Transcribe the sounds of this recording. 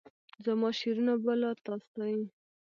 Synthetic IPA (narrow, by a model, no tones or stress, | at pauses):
zamɑʃeɾunabəlat̪ɑst̪ai